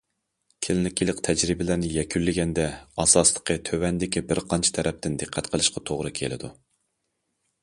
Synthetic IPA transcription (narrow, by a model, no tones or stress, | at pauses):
kʲʰɪlɪlɪkʲʰilˠɪqt̪ʰɛd͡ʒɾibɪlæɾnɪjɛkʲʰylːɪɡʲɛnd̪ɛɑsɑslˠə̥qʰət̪ʰøwɛnd̪ɪkʲibɪɾqʰɑnt͡ʃʰi̥t̪ʰɛɾɛp̚t̪ɪnd̪ɨqʰːæt̪qʰəlˠɨʃqɑt̪ʰoʁɾɨkʲʰelɪ̰d̪ṵ